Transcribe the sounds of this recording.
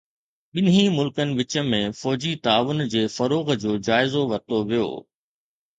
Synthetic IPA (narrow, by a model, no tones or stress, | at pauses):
ɓɪnimʊlkənɪ̆ʋɪt͡ɕə̆mẽfɔːd͡ʑit̪aːʋʊnd͡ʑeːfɐɾoːɣd͡ʑoːd͡ʑaːɪzoʋɐɾt̪oʋijo̰ː